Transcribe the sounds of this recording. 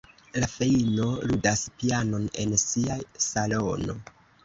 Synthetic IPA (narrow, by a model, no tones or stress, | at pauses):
lafe̞ino̞ludaspiano̞ne̞nsiasalono̞̰